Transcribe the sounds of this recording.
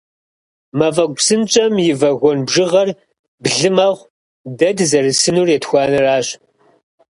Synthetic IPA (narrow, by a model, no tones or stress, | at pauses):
mɐvɐɡ̚ʷsɨnt͡ʃʼɐmjɪvɐɣʷɔnbʒɨʁɐr | bɮɨmɐʁʷ | dɐdzɐrɨsɨnuːrjɛtxʷɑːnɨraːɕ